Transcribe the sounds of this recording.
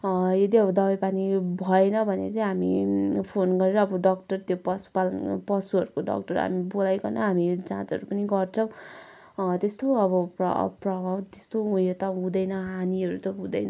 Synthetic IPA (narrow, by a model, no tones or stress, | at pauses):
jʌd̪iʌbʌd̪ʌbʌpanibʱʌenʌbʱʌnḛʌt͡sʌĩɦamḭpʰonɡʌɾeɾʌːbʌɖʌk̚ʈʌrt̪jopʌsu̥palʌnpʌsuɦʌɾukoɖʌ̰kʈʌɾɦa̰mibolajkʌnʌ̰ɦamid͡zã̰t͡sʌ̰ɾupʌniɡʌrt͡sʰʌ̃w̃ | t̪est̪oʌbʌpʌ̰prʌbʱawt̪est̪oũot̪ʌɦũd̪ʌjnʌɦaniɦʌɾut̪ʌɦũd̪ʌjnʌ